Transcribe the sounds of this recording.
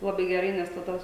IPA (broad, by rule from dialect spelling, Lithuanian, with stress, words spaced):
lˠɐˈbɐɪ ɡʲɛˈrɐɪ nʲɛs tɐˈdɐ